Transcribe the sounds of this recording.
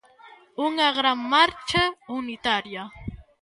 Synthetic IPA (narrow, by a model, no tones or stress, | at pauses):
ʊŋɑɢɾamːaɾt͡ʃaʊnɪt̪aɾja